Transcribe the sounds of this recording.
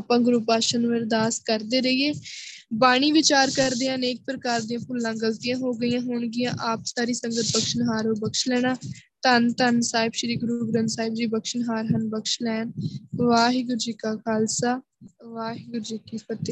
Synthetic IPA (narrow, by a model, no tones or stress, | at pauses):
aːpãːɡɾuːpaːʃənːʋɪɾd̪aːskəɾd̪eːɾəieːbaːɽ̃iːʋɪt͡ʃaːɾkəɾd̪eːãːneːk̚pɾəkaːɾd̪ijãːpʰʊlːãːɡəlt̪ɪjãːɦoːɡəɪjãːɦʊɳɡɪjãːʔaːpsaːɾiːsəŋɡət̪̚bəkʃənɦaːɾɦoːbəkʃlɛːɽ̃aːt̪ənt̪ənsaːɪbʃəɾiːɡɾuːɡɾənsaːɪbd͡ʒiːbəkʃənɦaːɾɦənbəkʃlɛːnʋaːɦiɡʊɾd͡ʒiːkaːkʰaːlsaː | ʋaːɦiɡʊɾd͡ʒikipət̪eː